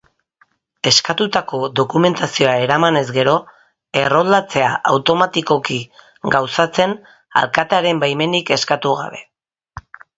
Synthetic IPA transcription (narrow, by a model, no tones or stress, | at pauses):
e̞skat̪ut̪ako̞ðo̞kume̞nt̪asio̞ae̞ɾamane̞zɡe̞ɾo̞ | e̞ro̞ld̪at͡se̞aʔa̰wt̪o̞mat̪iko̞ki | ɡawsat͡se̞n | a̰lkat̪aɾe̞mbajme̞nike̞skat̪uɣa̰βe̞̰